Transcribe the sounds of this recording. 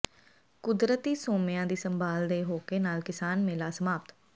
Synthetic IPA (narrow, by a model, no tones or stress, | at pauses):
kʊd̪ɾət̪iːsoːmɪjãːd̪iːsəmbʱaːld̪eːɦoːkenaːlkɪsaːnmẽːlaːsəmaːpt̪